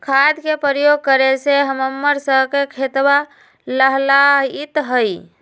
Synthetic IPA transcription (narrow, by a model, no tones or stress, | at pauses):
kʰad̪kepɾjoɡ̚kəɾeseɦəməmːəɾsəɦkekʰet̪ba | ləɦlaɦit̪ɦəj